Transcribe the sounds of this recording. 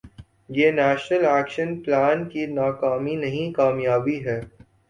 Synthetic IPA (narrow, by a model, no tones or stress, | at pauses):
jeːnɛːʃnəlɛːkʃənplaːnkinaːkaːminɐɦĩkaːmjaːbiɦɛː